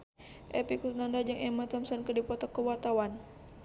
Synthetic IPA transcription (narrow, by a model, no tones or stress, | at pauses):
ʔɛpiksnandad͡ʒaŋɛmat̪ɔmsɔnkədipɔt̪ɔkːəwart̪awan